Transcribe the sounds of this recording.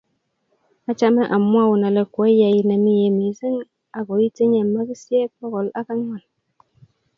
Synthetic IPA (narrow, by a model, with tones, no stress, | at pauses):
a˦t͡ʃa˦mɛ˦ʔa˨mːu˦a˦˨wu˨na˨lɛ˨ko˨e˦ja˨ji˦na˨mi˦je˨mi˨˦si˦n | a˨ɡo˨˦ji˦te˦ɲɛ˨ma˦ki˦si˦e˦k͡pɔ˦ɣɔ˨la˦ka˦ŋ˦wa˨l